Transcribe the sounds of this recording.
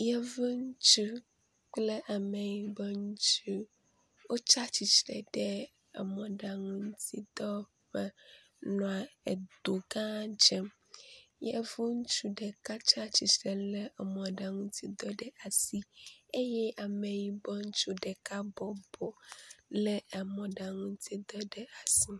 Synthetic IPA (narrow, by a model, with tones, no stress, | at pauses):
jɛ˦vɛ˦ŋu˦t͡ʃu˦ | k͡ple˦ʔa˨me˨ji˨bɛ˦ŋu˦t͡ʃu˦ | wo˦t͡ʃa˦t͡ʃi˨t͡ʃɾɛ˨ɖɛ˦ | ɛ̰˨mɔ̃˨ɖa˨ŋũ˦t̪i˦d̪ɔ˦ | ɸɛ˦ | nɔ̃˨a˨e˨d̪o˨ɡã˦d͡ʒɛ˦m | jɛ˦vu˦ŋu˦t͡ʃu˦ɖɛ˨ka˦t͡ʃa˦t͡ɕi˨t͡ʃɾɛ˨lɛ˦˨mɔ̃˨ɖa˨ŋũ˦t̪ʰi˦d̪ɔ˦ɖɛ˦a˨si˦e˦jɛ˦ʔa˨me˨ji˦bɔ˦ŋ̩˦t͡ʃu˦ɖɛ˨ka˦bɔ˨bɔ˨lɛ˦ɛ˨mɔ̃˨ɖa˨ŋũ˦n̩˦t̪ʰi˦d̪ɔ˦ɖɛ˦a˨si˦